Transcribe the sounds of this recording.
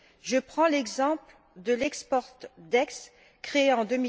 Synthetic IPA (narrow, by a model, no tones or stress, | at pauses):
ʒəpχɑ̃lɛɡzɑ̃pl | d̪əlɛkspɔʁt̪d̪ɛks | kχeeɑ̃d̪əmi